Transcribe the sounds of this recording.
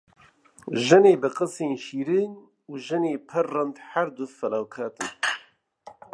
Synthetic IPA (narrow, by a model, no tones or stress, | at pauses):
ʒɨneːbɨqəseːnʃiːɾiːn | uːʒɨneːpʰɨɾːɨnd̪ħaɾd̪ʊfɛlaːwkʰaːt̪ɨn